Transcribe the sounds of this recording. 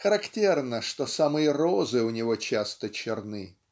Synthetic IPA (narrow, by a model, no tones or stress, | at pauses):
xəɾɐktʲernəʂt̪o̞samɨjərozɨʊnʲɪvo̞t͡ɕast̪ət͡ɕɪrnɨ